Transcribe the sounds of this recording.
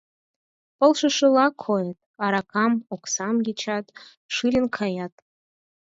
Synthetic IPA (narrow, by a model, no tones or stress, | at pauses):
pɤ̆lˠʂɨʂɨlˠɑkʰojet̪̚ɑɾɑkʰɑmoksɑmɡʲet͡ɕʰɑt̪ | ʂɨɾʲənkʰɑjɑt̪̚